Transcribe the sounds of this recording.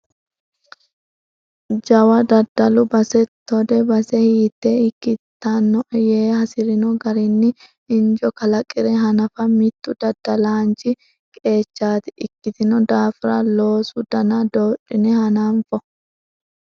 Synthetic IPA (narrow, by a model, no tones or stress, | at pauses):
d͡ʒɐwɐd̪ɐd̪ːɐlʊbɐsɛt̪ːɔd̪ɛbɐsɛhiːt̪ːeːɪkːɪt̪ːɐnːɔjeːhɐsɪɾɪnɔɡɐɾɪnːɪ | ɪnd͡ʒɔkɐlɐkʼːɪɾɛɦɐnɐfɐmɪt̪ːʊd̪ɐd̪̥ːɐlaːnt͡ʃɪ | kʼe̞ːt͡ʃːaːt̪ɪʔɪkːɪt̪ɪnɔd̪aːfɾɐ̰lo̞ːsʊd̪̥ɐnɐd̪oːᶑɪnɛhɐnaɱfɔ